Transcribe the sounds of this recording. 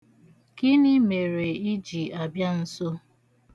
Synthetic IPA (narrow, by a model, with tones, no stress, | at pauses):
kɪ˦nɪ˦me˨ɾe˨i˦d͡ʒi˨a˨bja˦n̩˦so˦